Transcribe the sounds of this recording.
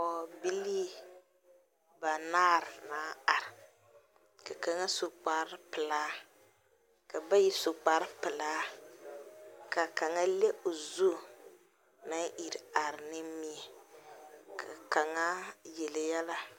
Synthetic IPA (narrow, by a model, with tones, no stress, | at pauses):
ɔ˨bi˦liː˦ | ba˨naː˦˨ɾnaː˨˦a˨ɾɪ˨ | ka˨ka˨ŋa˦so˨k͡pa˨ɾɪ˦pɨ˨laː˦ | ka˨ba˦ji˦so˨k͡pa˨ɾɨ˦pɨ˨laː˦ | ka˨ka˨ŋa˦le˦ʔo˨zu˦˨ | na˦ŋʔi˨ɾa˨ɾɪ˨nɪ˦mi˨ɛ˨ | ka˨ka˨ŋa˦jɛ˨ljɛ˦la˦